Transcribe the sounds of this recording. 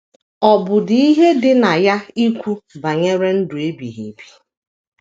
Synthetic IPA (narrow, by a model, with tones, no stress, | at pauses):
ɔ˨bʊ˨dɪ˨i˦ɦe˦dɪ˦na˨ja˦i˦kʷu˦ba˨ɲe˦ɾe˦n̩˦dʊ˨e˦bḭ˨ɦḭ˨bi̥˨